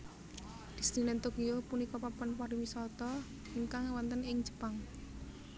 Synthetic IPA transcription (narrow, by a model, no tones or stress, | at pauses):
d̪̥i̤st̪inɛnt̪okijopunikɔpapɔnpaɾiwisɔt̪ɔ | iŋkaŋwant̪ənɪŋd͡ʒə̥paŋ